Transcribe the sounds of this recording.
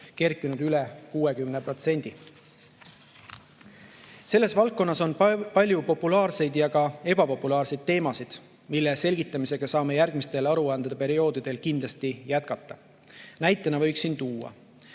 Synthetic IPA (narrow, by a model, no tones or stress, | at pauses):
ke̞rkːˑinud̪̥ylekuːe̞kymnepro̞t̪se̞nʲd̪̥i | se̞lːe̞svɑlkko̞nːɑso̞npɑlʲjupo̞pːulɑːrse̞jd̪jɑɡɑe̞bɑpo̞pːˑulɑːrsed̪̥̚t̪e̞ːmɑsid̪̥ | milːese̞lɡ̥it̪ːˑɑmise̞ɡ̥ɑsɑːme̞jærɡ̥mist̪e̞lɑɾuɑnd̪̥ɑd̪̥epe̞ɾio̞ːd̪̥id̪̥e̞lkind̪lɑst̪ijæt̪̚kɑt̪ˑːɑ | næjt̪ːˑenɑvɤ̞jksint̪uːɑ̰